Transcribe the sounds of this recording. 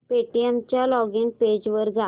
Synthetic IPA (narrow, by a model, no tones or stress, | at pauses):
peʈiemt͡ɕjalɔɡinped͡ʑʋəɾɡa